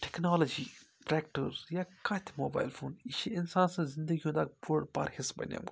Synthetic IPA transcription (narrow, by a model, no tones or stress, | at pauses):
ʈe̥knaːlɐd͡ʒiː | ʈɾɛːkʈəɾjakãːt̪ʲʰmoːba̰ːjlfʰoːniʃiɪnsaːnsɐ̃ːzɪnd̪əɡiɦũnd̪aːkpuɽpa̰ɾhɪsbɐ̰nʲja̰mk